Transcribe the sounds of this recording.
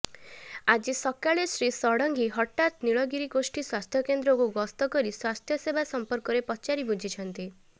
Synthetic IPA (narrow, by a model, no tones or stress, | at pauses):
ad͡ʒisɔkaɭesɾisɔɽɔŋɡiɦɔʈːat̪niɭɔɡiɾiɡosʈiswast̪ʰjɔkend̪ɾɔkuɡɔst̪ɔkɔɾiswast̪ʰjɔsebasɔmpɔɾkɔɾepɔt͡ʃaɾibud͡ʒʱit͡ʃʰɔnt̪i